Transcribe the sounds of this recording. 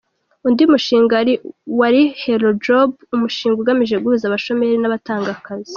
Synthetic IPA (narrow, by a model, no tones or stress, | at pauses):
undiumuʃiːŋɡaɾiwaɾiheɾod͡ʒobumuʃiːŋɡouɡamiʒe̞ɡuɾuzaβaʃo̞me̞ɾinaβataːŋɡakazi̥